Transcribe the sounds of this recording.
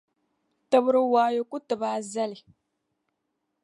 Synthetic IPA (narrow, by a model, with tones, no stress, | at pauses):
tɨ˦bʊ˦ɾɨ˦waː˦jo˦ku˦tɨ˨baː˦za˦li˨